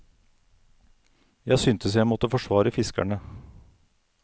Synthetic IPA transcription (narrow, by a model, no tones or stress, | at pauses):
jæɪsʏnt̪ʰəsjæɪmɔt̪ːəfɔʂʋɑːɾəfɪskæ̰ɳə